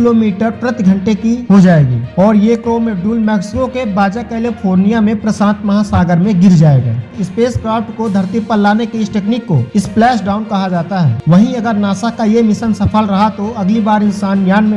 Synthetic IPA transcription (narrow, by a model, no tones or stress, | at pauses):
ɪloːmiːʈəɾpɾət̪ɡʱə̃ɳʈekiɦod͡ʒaːeːɡḭːɔːɾjekɾoːmeɖuːlmɛːksɪkokebaːd͡ʒakɛːlipʰoːɾnijamẽpɾəsãːnt̪mɐɦasaːɡəɾmẽɡɪɾd͡ʒaːeːɡa̰ːɪspeːskɾaːpʈkod̪ʱɐɾt̪ipəllaːnekeɪsʈeːknikːoɪsplɛːʃɖaːʊnkɐɦad͡ʒaːt̪aɦɛ̰ːʋɐɦĩɐɡəɾnaːsakajemɪsənsɐpʰəlɾɐɦat̪oɐɡlibaːɾɪnsaːnɡjaːnmẽ